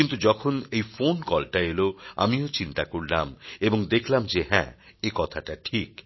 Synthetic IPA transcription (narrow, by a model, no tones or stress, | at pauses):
int̪ud͡ʑɔkʰonejfonkɔlʈaeloa̰miot͡ɕint̪akoɾlameboŋd̪ekʰlamd͡ʑeɦɛ̰̃ekɔt̪ʰaʈaʈʰik